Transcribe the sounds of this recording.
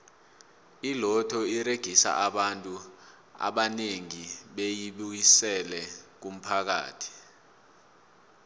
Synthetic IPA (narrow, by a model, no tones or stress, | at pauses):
ilɔtʰɔiɾeɡ̥ʱisa̰ʔaɓantʼu | a̰ɓaneŋiɓejiɓujisɛlɛk̬um̩pʰak̬a̰ːtʰi̥